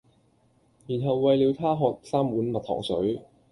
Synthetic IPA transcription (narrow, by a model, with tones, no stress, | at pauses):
jiː˨˩nɦɐ˨wːɐ˨jliː˨˧wt̪ʰaː˥ɦɔː˨t̚saː˥mwuː˨˥nmɐ˨t̪̚ʰɔ̰ː˨˩ŋsɵ̰˨˥ɥ